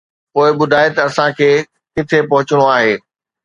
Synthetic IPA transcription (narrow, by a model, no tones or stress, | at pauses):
poːɪɓʊd̪ʱaːɪt̪ɐɐsãkʰeː | kɪt̪ʰepɐɦʊt͡ɕɪɽ̃oaːɦeː